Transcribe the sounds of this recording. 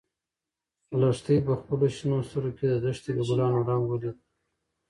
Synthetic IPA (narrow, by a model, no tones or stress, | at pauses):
laʂt̪əjpəxpəloʃinost̪uɾokʲed̪əd̪aʂt̪iɡəɡulɑːnaɾɑmɡəlid̪